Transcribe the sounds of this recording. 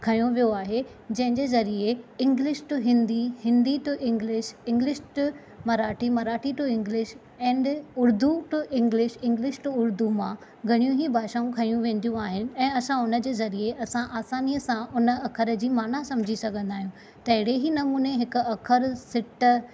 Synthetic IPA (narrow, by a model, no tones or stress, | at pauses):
kʰɐjũʋijoaːɦe | d͡ʑɐ̃ɦɪ̃ɲd͡ʑeːzɐɾieɪ̃ŋɡlɪʃʈʊɦɪ̃nd̪ihɪ̃nd̪iʈʊʔɪ̃ŋɡlɪʃɪ̃ŋɡlɪʃʈ | mɐɾaːʈʰimɐɾaːʈiʈʊɪ̃ŋɡlɪʃ | ɛ̃ːɳɖʊɾd̪uʈʊʔɪ̃ŋɡlɪʃɪ̃ŋɡlɪʃʈʊʊɾd̪umã | ɡʱɐɽ̃ijũɦibʱaːʃaːũkʰɐjũʋẽːn̆d̪ijũaːɦɪnɪ̆ɛ̃ːɐsãʊnə̆d͡ʑeːzɐɾieʔɐsãʔaːsaːnijəsãʔʊnə̆ɐkʰəɾəd͡ʑiːmaːnasɐ̃md͡ʑʱisɐɡʱə̃nd̪aːɦijũ | t̪ɐɦɪɽeɦinɐmuːneɦɪkʊɐkʰəɾsɪʈə